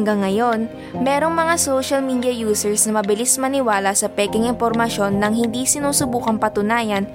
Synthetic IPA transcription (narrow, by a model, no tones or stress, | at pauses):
ŋɡɐŋːɐjo̞n | mɛːɾo̞ŋmɐŋasowʃɐlmiːd̪jɐjuːsɛɹsnɐmɐbɪlismɐnɪwaːlɐsɐpɛːkɪŋɪnpoɾmɐʃjo̞nːɐŋhɪnd̪iːsɪnuːsʊbuːkɐŋpɐt̪ʊnaːjɐn